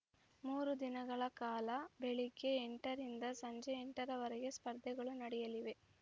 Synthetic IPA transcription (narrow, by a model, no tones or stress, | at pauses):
muːɾud̪inɐɡɐɭɐkaːlɐbeɭikːe̞ːɳʈɐɾind̪ɐsɐɲd͡ʒeːɳʈɐɾɐʋɐɾɛɡe̞spɐɾd̪ʱɛɡɐɭunɐɽɛjɐliʋe̞